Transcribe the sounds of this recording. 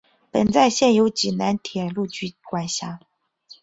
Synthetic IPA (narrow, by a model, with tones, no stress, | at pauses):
pə˨˩nt͡sa˥˧ɪɕjɛ˥˩njo˧˥ʊt͡ɕi˨˩na˧˥nt̪ʰjɛ˨˩lu˥˧t͡ɕy˧˥kwa˨˩nɕja˧˥